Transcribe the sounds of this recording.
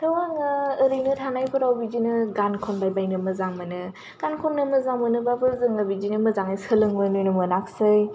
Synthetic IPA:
tʰɯwaŋɯːɾɯjnɯtʰanajpʰɯɾawbid͡ʒinɯɡankʰɔnbajbajnɯmɯzaŋmɯnɯ | ɡ̥ankʰɔnːɯmɯzaŋmɯnɯbabɯɾzɯŋabid͡ʒinɯmɯzaŋajsɯlɯŋojnojnɯmɯnak̚sɯj

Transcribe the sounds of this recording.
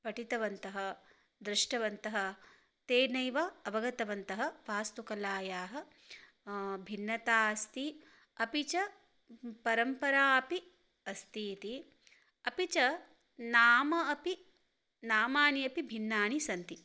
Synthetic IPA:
pɐʈit̪ɐʋɐnt̪ɐɦɐ̆ | d̪ɾɪʂʈɐʋɐnt̪ɐɦɐ̆ | t̪eːnɐjʋɐɐbɐɡɐt̪ɐʋɐnt̪ɐɦɐfaːst̪ukɐlaːjaːɦɐ̆ | bʱinːɐt̪aːɐst̪i | ɐpit͡ʃɐ | pɐɾɐmpɐɾaːɐpi | ɐst̪iːt̪i | ɐpit͡ʃɐ | naːmɐːpi | naːmaːɳiɐpibʱinːaːɳisɐnt̪i

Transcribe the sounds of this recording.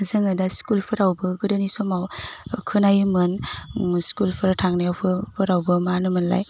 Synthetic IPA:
zɯŋɯdaskulpʰɯɾawbɯɡɯdanisɔmawkʰɯnajmɯnskulpʰɯɾtʰaŋnajawpʰɯpʰɯɾawbɯmanɯmɯnla̰j

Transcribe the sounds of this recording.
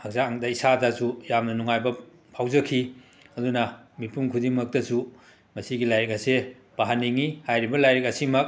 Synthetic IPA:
hɐk̚zaŋdɐisadɐsujamnɐnuŋajbɐ | pʰawzɐkʰi | ɐdunɐmipuŋkʰudiŋmɐk̚tɐsu | mɐsiɡilajɾikɐse | b̥aɦaniŋihajɾibɐlajɾik̚ɐsimɐk̚

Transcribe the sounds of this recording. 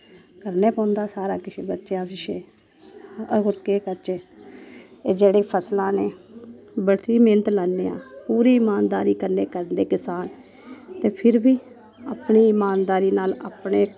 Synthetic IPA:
kəɾneːpãːnd̪aːsaːɾãːkɪʃeːbətːʃjãːbɪʃeː | əɡʊɾkeːkəɾt͡ʃeː | d͡ʒeːɽeːpʰəslãːneː | bəɽt̪ɾiːmẽːnt̪laːnːeːã̰ːpuːɾiːɪmaːnd̪a̰ːɾiːkəɾneːkəɾənd̪eːkɪsaːn | t̪eːpʰɪɾbiː | aːpɳiːɪmaːnd̪aːɾiːnaːla̰ːpɳeː

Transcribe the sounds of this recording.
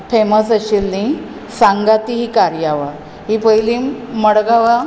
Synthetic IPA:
feməsəɕilːĩ | sãŋɡat̪iɦikaɾjaʋa | ɦipəjlĩməɽɡaʋa

